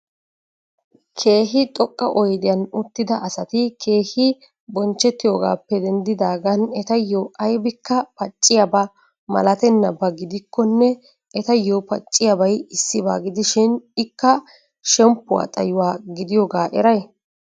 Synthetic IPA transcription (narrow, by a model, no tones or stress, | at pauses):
kʰe̞ːɦɪt̪ʼɔkʼːɐʔɔjd̪ɪjɐnʊt̪ːɪd̪ɐʔɐsɐt̪ɪkʰe̞ːhɪ | bɔnt͡ʃːɛt̪ːɪjoːɡa̰ːpːɛd̪ɛnd̪ɪd̪aːɡɐnɛt̪ɐjːoʔɐjbɪkːɐpɐt͡ʃʼːɪjɐbɐ | mɐ̰lɐt̪ɛnːɐbɐɡɪd̪ɪkʰːɔnːɛ | ɛt̪ɐjːopɐ̰t͡ʃʼːɪjɐbɐjɪsːɪba̰ːɡɪd̪ɪʃɪnɪkːɐ | ʃɛmpːʊwa̰ːt̪ʼɐ̰jʊwaːɡɪd̪ɪjoːɡaːʔɛɾɐj